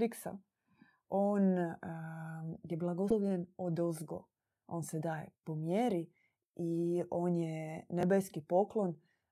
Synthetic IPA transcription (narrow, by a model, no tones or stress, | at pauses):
ɾiksa̰ | oːn | jeblˠaɡooʋʎenod̪ozɡo̰ | o̞ːnsed̪aːjḛpomjeɾi | io̞ːnjenebeskipo̞klˠo̞n